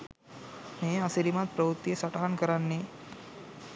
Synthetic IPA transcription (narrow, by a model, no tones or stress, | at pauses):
meːasiɾimat̪̚pɾɐʋut̪ːijesɐʈaɦankəɾanːe